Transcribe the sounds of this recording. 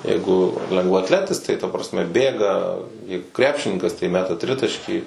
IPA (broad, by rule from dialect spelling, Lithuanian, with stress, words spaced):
ˈjɛɪɡʊ lʲɛŋɡʋɐɐtʲˈlʲæːtʲɪs tɐɪ tɐ prɐsʲˈmʲɛ ˈbʲeːɡɐ ˈjɛɪɡʊ ˈkrʲæːpʲʃʲɪnʲɪŋkɐs tɐɪ ˈmʲæːtɐ ˈtʲrʲɪtɐʃʲkʲiː